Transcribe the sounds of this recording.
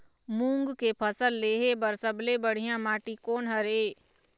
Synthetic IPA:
mũːŋɡkepʰəsəlːeːɦebəɾsəblebəɽ̤ɪjãmaːʈikoːnɦəɾeː

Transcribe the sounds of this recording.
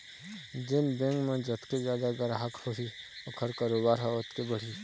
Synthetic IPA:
d͡ʒɪnbẽŋɡmãd͡ʒət̪kezjaːd̪aɡɐɾɦakhoɦiʊkʰəɾkaːɾoːbaːɾɦɛʊt̪kebəɽ̤i

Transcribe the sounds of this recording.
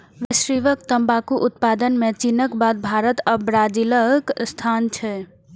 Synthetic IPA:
ʋisɾiʋək̚t̪əmbakuʔut̪̚pad̪ənmet͡ʃinəkbad̪̚bʱaɾət̪əbɾad͡ʒiləkst̪ʰant͡ʃʰɛ

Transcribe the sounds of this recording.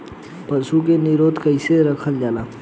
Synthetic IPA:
pɐsuk̬eniɾoːt̪kɐɪseɾɐkʰəld͡ʒaːlaː

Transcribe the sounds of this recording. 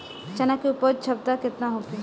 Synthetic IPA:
t͡ʃɐnakiʊpəd̪̚t͡ʃʰɐb̚t̪akɪt̪naɦoke

